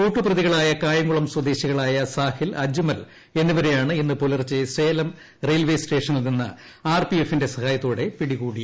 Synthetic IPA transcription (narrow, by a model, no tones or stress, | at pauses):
kuːʈːɨprɐðiɣɐɭaːjɐkaːjɐŋɡuɭɐmswɐd̪eːɕiɣɐɭaːjɐsaːhilɐd͡ʑumɐl | e̞nːuʋɐɾejaːɳɨinːɨpolɐrt͡ɕːɐse̞ːlɐm | rejlʋejsʈe̞ːʂɐnilninːɐ̰ | aːrpiefːinde̞sɐhaːjɐt̪ːoːɽe̞piɽiɣuːɽi